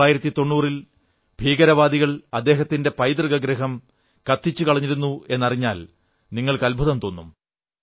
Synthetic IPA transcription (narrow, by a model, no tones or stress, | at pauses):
aːjiɾɐt̪ːit̪o̞ɳːuːril | b̥ʱiːɡɐɾɐʋaːd̪iɣɐɭɐd̪ːeːɦɐt̪ːinde̞pɐjd̪rɡɐɡɾiɦɐm | kɐt̪ːit͡ɕːukɐɭɐɲːiɾunːue̞nːɐriɲːaːl | niŋːɐɭkɐlbʱɐðɐmt̪o̞ːnːum